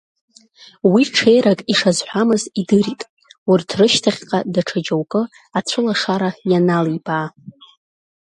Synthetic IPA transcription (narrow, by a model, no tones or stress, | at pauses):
wiʈ͡ʂʰe̞jɾakʼiʂazħʷᶣamɨzidɨɾitʼ | wʊrtʰrɨʃtʰaχʲqʼadaʈ͡ʂʰad͡ʒowkʼɨ | at͡ɕʷʰɨlaʂaɾajanalibʼaː